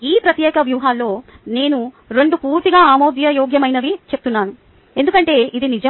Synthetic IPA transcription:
iːpɾɐt̪jɛːkɐʋjuːɦaːlːo̞ːne̞ːnu | ɾe̞ɳɖupuːɾt̪iɡaːaːmoːd̪jɐjoːɡjɐmɐjnɐʋit͡ʃe̞p̚t̪unːaːnu | e̞nd̪ukɐɳʈe̞ːʔid̪inid͡ʒɐ

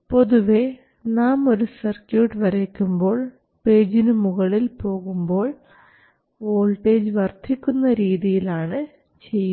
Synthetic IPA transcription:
po̞ðuʋe̞ | naːmo̞ɾusɐrkjuːʈʋɐɾekʲːumbo̞ːɭ | pe̞ːd͡ʑinumuɣɐɭilpo̞ːɣumbo̞ːɭ | oːlʈːe̞ːd͡ʑɨʋɐrt̪ʰːikʲːunːɐɾiːðijilaːɳɨ | t͡ɕe̞jː

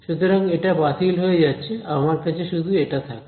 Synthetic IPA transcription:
ʃut̪ɾaŋɡeʈabat̪ʰilɦojd͡ʑat͡ʃʰeamaɾkat͡ʃeʃud̪ʱueʈat̪ʰak

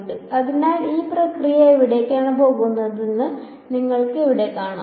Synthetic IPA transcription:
ɖɨɐðinaːliːprɐkrijɐiʋiɽe̞keːɳɐpo̞ːɣunːɐðinːɨ | niŋːɐɭkɨeʋiɽe̞kaːɳa̰ː

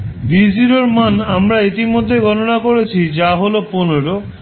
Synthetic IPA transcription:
bid͡ʑiɾoɾmanamɾait̪imod̪ʱːeɡʱɔnonakoɾet͡ɕʰid͡ʑaɦoloponoɾo

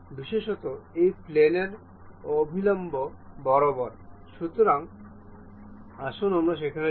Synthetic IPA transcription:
biʃeʃot̪oejpleneɾ | obʱilombobɔɾobɔɾʃut̪oɾaŋ | aʃunamɾaʃ̬ekʰaɾ

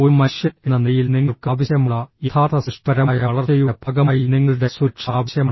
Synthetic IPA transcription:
oumɐɕjɐenːɐnejilniŋːɐɭkaːʋɐɕjɐmuɭːɐit̪ʰaːt̪ʰɐsiʂpɐɾɐmːjɐɐɭɐrt͡ɕejubʰʱɐɡɐmːjiniŋːɐɭɨɽe̞suʂʰaːʋɐɕjɐm

